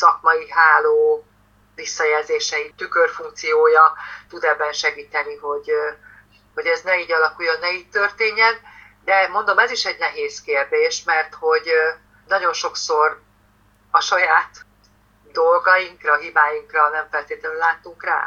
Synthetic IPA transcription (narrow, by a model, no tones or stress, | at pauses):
sɒkmɒjiɦaːloː | visːɒjɛlzeːʃɛit̪ykørfuŋk̚t̪sijoːjɒt̪ud̪ɛbːɛnʃɛɡiːt̪ɛniɦo̞ɟ | ho̞ɟɛznɛiːɟɒlɒkujːonːɛiːɟ̚t̪ørt̪eːɲːɛn | d̪ɛmo̞nd̪o̞mɛziʃɛɟnɛɦeːskeːrd̪eːʃmɛrt̪ho̞ɟ | nɒɟo̞nʃo̞kso̞r | ɒʃɒjaːt̪ | d̪o̞lɡɒiŋkrɒɦibaːjiŋkrɒnɛɱfɛlt̪eːt̪lɛnylaːt̪ːuŋkra̰ː